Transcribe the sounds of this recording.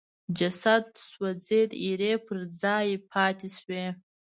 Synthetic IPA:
d͡ʒasat̚ːswad͡ze̞jtʼiɾeːpʰɨrd͡zaːipʰatʰisɥe

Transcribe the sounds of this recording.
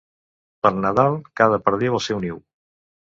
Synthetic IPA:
pəɾnəðalˠkað̞əpəɾðewəlˠsɛwniw

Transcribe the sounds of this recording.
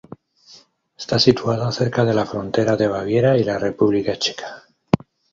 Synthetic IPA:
est̪asit̪uað̞oθe̞ɾkað̞e̞lafɾo̞nt̪e̞ɾaðe̞β̞aβ̞je̞ɾailare̞puβlikat͡ʃe̞̥kʰḁ

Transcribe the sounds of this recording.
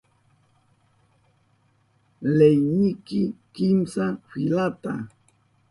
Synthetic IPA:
lejnikɪkimsafilat̪a̰

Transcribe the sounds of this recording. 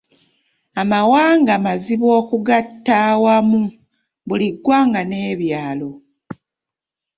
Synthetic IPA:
amawaːŋɡamaziβo̞ːkuɡatːawamu | βuliɡːwaːŋɡane̞ːβjaːlo̞

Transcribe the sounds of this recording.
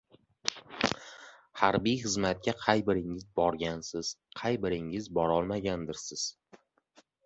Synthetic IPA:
haɾbijχɨzmat̪̚kʲaqʰɑjbɪɾɪŋɪzbɒɾɡʲansɪz̥qʰɑjbɪɾɪŋɪzbɒɾɒlˠmaɡʲand̪ɪɾsɪz̥

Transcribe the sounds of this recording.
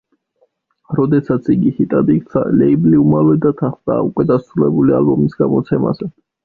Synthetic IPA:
ɾɔd̪ɛsat̪sʰiɡihit̪ʼad̪ik̪sa̰lɛibliumalˠɛd̪at̪ʰaχd̪ʼaːukʼwɛd̪asɾulɛbulia̰lbɔmisɡamɔt̪sʰɛma̰zɛ

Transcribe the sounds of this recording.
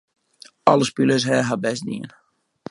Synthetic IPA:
ɑləspyləs̬ɦɛːɦabɛsdḭən

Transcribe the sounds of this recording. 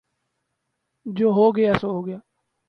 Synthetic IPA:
d͡ʒoːɦoːɡɪjaːsoɦoːɡɪjaː

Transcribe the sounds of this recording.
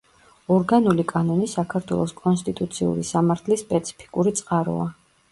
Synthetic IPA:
ɔɾɡanulikʼanɔnisakʰaɾt̪ʰwɛ̰lˠɔskʼɔnst̪ʼit̪ʼut̪sʰiṵɾisamaɾt̪ʰlispʼɛt̪sʰi̥pʰi̥kʼuɾit̪sʼqʼaɾɔ̰a

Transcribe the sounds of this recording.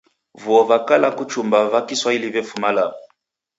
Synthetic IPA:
vuɔvakalakut͡ʃumbaβakiswailiβɛfumalam

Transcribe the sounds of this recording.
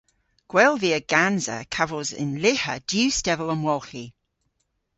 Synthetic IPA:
ɡ̥wɛlˠviəɡ̥anzə̰kʰavəlˠzɪ̰nlɪhə̰d̥jʉːstɛvələ̃nwɔlˠxi

